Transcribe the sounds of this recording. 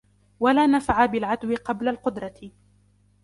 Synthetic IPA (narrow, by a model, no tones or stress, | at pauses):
walaːnafaʕabɪlʕad̪wɪqɑblalqʊd̪ɾˤɑɪ